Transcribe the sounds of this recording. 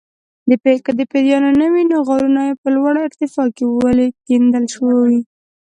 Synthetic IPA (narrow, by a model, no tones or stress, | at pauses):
d̪əpekəd̪əped̪jɑnonəwinoɣɑɾunɑjepəlwaɽaɪɾt̪ɪfɑkewalekend̪əlʃwi